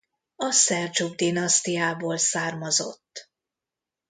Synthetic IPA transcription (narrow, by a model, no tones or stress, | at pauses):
ɒsɛrd͡ʒuɡ̚d̪inɒst̪ijaːboːlsaːrmɒzo̞̰t̪ː